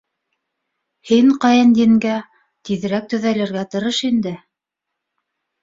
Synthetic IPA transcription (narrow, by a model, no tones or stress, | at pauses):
hiŋqɑjɤnjĭŋɡæ | t̪iðɘ̆ɾæk̚t̪ɵ̆ðælæɾɡæt̪ɤ̆ɾɤʃind̪ɘ